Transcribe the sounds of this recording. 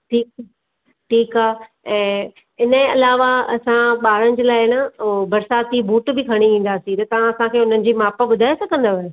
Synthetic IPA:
ʈʰiːka | ʈʰiːkaː | ɛ̃ː | ɪnə̃ɐlaːʋaɐ̰sãɓaːɾənɪ̆d͡ʑəlaːɪɪnabɐɾsaːt̪ibʱuːʈbɪkʰɐɽ̃iʋĩːn̆d̪aːsĩt̪ɐt̪ɐʋ̤ãɐsãkʰeːʊn̤ənɪ̆d͡ʑiːmaːpaɓʊd̪ʱaːesɐɡə̃n̆d̪aʋə

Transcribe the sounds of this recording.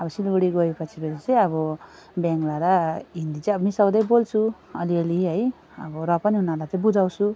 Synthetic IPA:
ʌbʌsilɡuɽiɡʌepʌt͡sʰibelit͡saj̃ʌbʌ | baŋɡlaɾaɦind̪it͡sãj̃ʌbʌmisʌwd̪ʌjbolt͡sʰu | ʌliʌliɦʌj | ʌbʌɾʌpʌniɦunalat̪ʌ̃bud͡zawt͡sʰu

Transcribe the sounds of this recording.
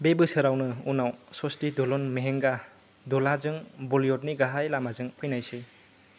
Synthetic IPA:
bebɯsɯɾawnɯunawsɔstidɔlɔnmeɦeŋɡa | dɔlazɯŋbɔliɔt̚niɡaɦajlamazɯŋpʰɯjnajsɯ

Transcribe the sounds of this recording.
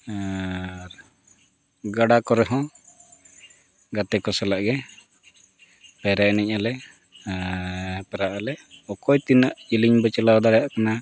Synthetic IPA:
ɾ | ɡaɽakɔɾɛɦɔ̃ | ɡat̪ɛkɔsɛlaʔɡɛ | pɛɾaʔɛnɛc̚alɛ | pɛɾaʔalɛʔɔkɔjt̪inaʔd͡ʒiliɲbət͡ʃɛlawd̪aɽɛjaʔkana

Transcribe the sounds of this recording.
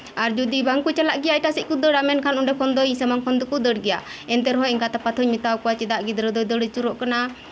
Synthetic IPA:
aɾd͡ʒud̪ibaŋkut͡ʃalaʔɡɛjaɛʈasic̪̚kud̪əɽamɛnkʰanuɳɖɛkʰɔnd̪ɔjsɛmaŋkʰɔnd̪ɔkud̪əɽɡɛjaɛnt̪ɛɾɦɔiŋkat̪apat̪ʰɔɲmit̪awkɔwat͡ʃɛd̪aʔɡid̪ɾɛd̪ɔjd̪ɔɽit͡ʃuɾɔʔkana

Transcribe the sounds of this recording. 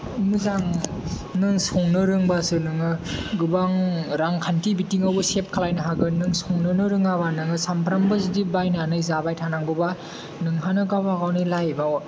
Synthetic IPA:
mɯzaŋ | nɯŋsɔŋnɯɾɯŋbasɯnɯŋɯɡɯbaŋɾaŋkʰantibitiŋawbɯsep̚kʰalajnɯɦaɡɯnɯŋsɔŋnɯnɯɾɯŋaβanɯŋɯsampʰɾambɯzidibajnanɯjzabajtʰanaŋbɔba | nɯŋɦanɯkawbakawnilajba

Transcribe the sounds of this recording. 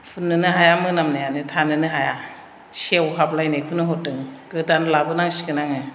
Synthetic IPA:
pʰunːɯnɯɦajamɯnamnajanɯtʰanɯnɯɦaja | sewɦablajnajkʰunɯɦɔtɯŋɡ̥ɯdanlabɯnaŋsi̥kɯnaŋɯ

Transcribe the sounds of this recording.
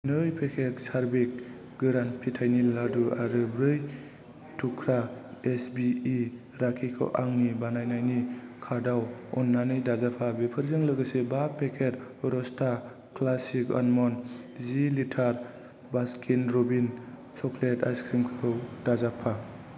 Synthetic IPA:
nɯjpʰekʰet̚saɾbek̚ | ɡɯɾanpʰitʰajniladuʔa̰ɾɯbɾɯj | tʰukʰɾaesbii | ɾakʰikʰɯ̰wʔaŋnibanajnajnikʰadawɔnːanɯjdazapʰabepʰɯɾzɯŋlɯɡəsebapʰekʰet̚ɾɔstʰa | klasika̰nmɔnzilitʰaɾ | baskʰinɾobin | sɔkʰleta̰jskʰɾimkʰɯwdazapʰa

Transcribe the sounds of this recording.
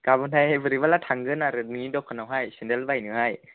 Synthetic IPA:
kabuntʰajevɯɾibalatʰaŋɡɯnaɾɯnɯŋidɔkʰːanawɦajsendelbajnɯhaj

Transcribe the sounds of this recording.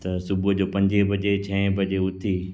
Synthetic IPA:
t̪ɐsʊbʊd͡ʑoːpɐ̃ɲd͡ʑebʱɐd͡ʑet͡ɕʰɐ̃ɪ̃bɐd͡ʑeʊt̪ʰiː

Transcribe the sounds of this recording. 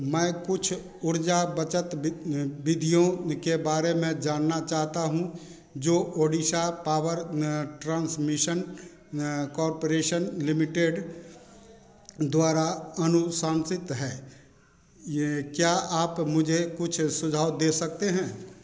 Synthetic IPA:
mɛ̃ːkʊt͡ʃʰ | ʊɾd͡ʒabət͡ʃət̪bɪd̪ʱijõkebaːɾemẽd͡ʒaːnːat͡ʃaːɦt̪aɦũ | d͡ʒoːʔoːɖiʃapaːwəɾʈɾãːnsmɪʃən | kɔːɾpoɾeːʃənlɪmɪʈeːɖ | d̪waːɾaɐnʊsaːnsɪt̪ɦɛː | kjaaːpmʊd͡ʒʱekʊt͡ʃʰsʊd͡ʒʱaːʋd̪eːsɐk̚t̪eɦɛ̃ː

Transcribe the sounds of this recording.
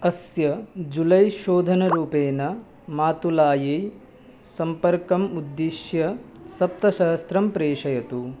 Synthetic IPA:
ɐsjɐd͡ʒulɐjʃoːd̪ʱɐnɐɾuːpeːnɐ | maːt̪ulaːjej | sɐmpɐɾkɐmud̪ːiʃjɐsɐp̚t̪ɐʃɐɦɐst̪ɾɐmpɾeːʂɐjɐt̪u

